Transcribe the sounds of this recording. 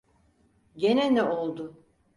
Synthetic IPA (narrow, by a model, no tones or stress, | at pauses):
ɟenɛnɛolˠd̪ʊ